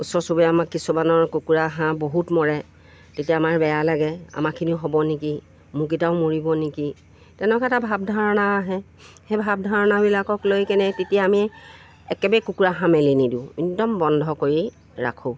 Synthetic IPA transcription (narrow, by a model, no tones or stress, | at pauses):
usɔɹsubɛamakːisubanɔɹkukuɹaɦãboɦutmɔɹɛ | tetijaːmaɹbɛjalaɡɛa̰makʰiniʊɦobɔniki | mũk̬itaʊ̃moɹibɔniki | tɛnɛkatabʱab̚dʱaɹɔnaːɦɛ̃ | hɛbʱab̚dʱaɹɔnabilakɔklojkɛnɛtetijaːmi | ɛkɛbɛjkukuɹaɦãmɛlinidĩidɔmbɔndʱɔkoɹi | ɹa̰kʰũ